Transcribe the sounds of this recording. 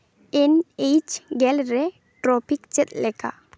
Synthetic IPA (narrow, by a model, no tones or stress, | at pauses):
enejt͡ʃɡɛlɾɛ | ʈɾɔpikt͡ʃɛt̪̚lɛka̰